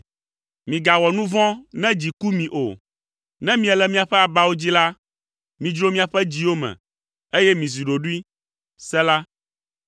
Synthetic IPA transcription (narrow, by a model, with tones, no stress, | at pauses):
mĩ˨ɡa˨wɔ˨nũ˦vɔ̃˦nɛ̃˦d͡ʑi˨ku˦mĩ˨ʔo˨ | nɛ̃˦mĩ˦ɛ˨lɛ˨mĩ˦a˨ɸɛ˦a˨ba˨wo˦d͡ʑi˦la˦ | mĩ˨d͡ʒɾo˦mĩ˦a˨ɸɛ˦d͡ʑi˦wo˦mɛ̰̃˨ | e˦jɛ˦mĩ˨zi˨ɖo˨ɖu˦i˦ | sɛ˦la˦